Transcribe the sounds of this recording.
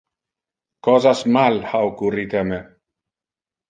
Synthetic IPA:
kɔzasmalhawkurit̪eme

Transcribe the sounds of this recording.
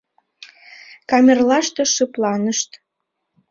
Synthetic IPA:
kɑmʲerlɑʃt̪oʃɨplɑnəʃt̪

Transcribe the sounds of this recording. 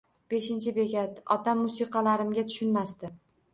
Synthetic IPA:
b̥e̞ʃɪnt͡ʃʰɪbe̞ɡʲat̪ɒt̪amːʊsiqʰɑlaɾɪmɡʲat̪ʰʊ̥ʃʊnmast̪ɪ

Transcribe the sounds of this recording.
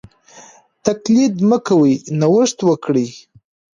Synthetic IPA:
t̪aklid̪məkawijnawəʂt̪wəkɽi

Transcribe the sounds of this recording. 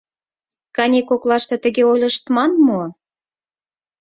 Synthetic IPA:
kɑnʲekoklɑʃt̪ɤ̆t̪ə̆ɣeojlʲə̆ʃt̪mɑnmu

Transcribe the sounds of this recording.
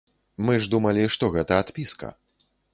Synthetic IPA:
mɨʐd̪umɐlʲiʂt̪ɔɣɛt̪ɐat̪pʲiskɐ̰

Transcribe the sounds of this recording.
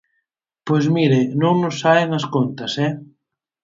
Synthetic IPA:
pojzmiɾenõŋnosːaeŋɐskont̪ɐsɛ

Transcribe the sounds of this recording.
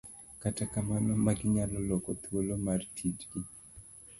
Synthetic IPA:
katakamanɔmaɡɪɲalɔlɔkɔt̪wolomartʰid͡ʒɡi

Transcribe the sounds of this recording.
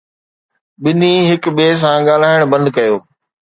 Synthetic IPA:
ɓɪniɦɪkɓeːs̬ãːɠaːl̤aːɪɽ̃bɐ̃nd̪̚kɐjoː

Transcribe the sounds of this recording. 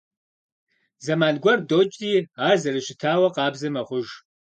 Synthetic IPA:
zɐmaːnɡʷɐrdoːt͡ʃʼiːaːzɐrɨɕɪtʰaːwɐqɑːbzɨmɐχʷʊʒ

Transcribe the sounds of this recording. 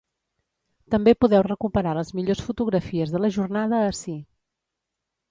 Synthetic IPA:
t̪əmbepuðɛwrəkupəɾaləzmiʎosfut̪uɣɾəfiəzðələʒurnaðəːsi

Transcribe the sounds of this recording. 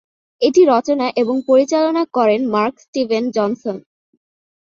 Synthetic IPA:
eʈiɾɔt͡ɕonaʔeboŋpoɾit͡ɕalonakɔɾenmaɾksʈibʱend͡ʑɔnson

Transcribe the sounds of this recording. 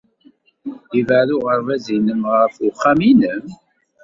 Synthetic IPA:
ivəɾʊʁəɾˤvæzinəmʁəfʊχːaminəm

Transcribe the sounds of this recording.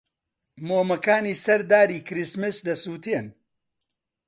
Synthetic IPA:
moːmɐkaːniːsɐɾd̪aːɾiːkɾismɨsd̪ɐsuːt̪eːn

